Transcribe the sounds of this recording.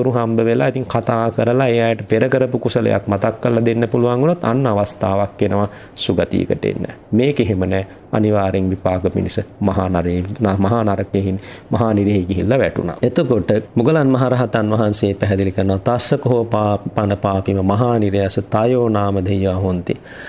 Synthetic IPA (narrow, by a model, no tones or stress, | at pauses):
t̪uɾuɦambəʋelait̪iŋkʰat̪aːkəɾəlaejajəʈəpeɾəkəɾəpukusələ̰ja̰kmat̪akːəlːad̪enːəpuluʋaŋunot̪anːaʋast̪aːʋakːenəʋa | suɡat̪ḭːə̰kə̰ʈḛnːə̰meːkeɦemənɛː | a̰niʋaːɾeŋʋipaːkəmḭnisəmaɦanaɾenmɐɦaːnaɾəkeɦinmɐɦaːniɾeɦeɡiɦilːaʋæʈṵna̰et̪okoʈəmuɡəlanmɐɦaɾaɦat̪anʋɐɦanseːpæɦɛd̪ilikəɾənowat̪asəkoɦopaːpanəpaːpiməmɐɦaːniɾejasət̪ajoːnaːməd̪ʱejʋaɦont̪i